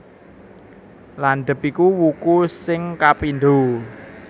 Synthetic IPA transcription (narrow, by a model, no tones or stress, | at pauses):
lanɖ̪ə̤pikuwukusɪŋkapinɖ̪o